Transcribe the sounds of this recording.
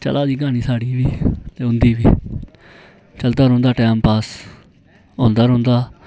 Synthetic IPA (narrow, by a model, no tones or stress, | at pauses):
t͡ʃə̰laːd̪iːɡaːniːsaːɽiːʋiːt̪eːʊnd̪iːʋiː | t͡ʃəld̪aːɾõːnd̪aːʈɛːmpaːs | ɦõːnd̪aːɾõːnd̪aː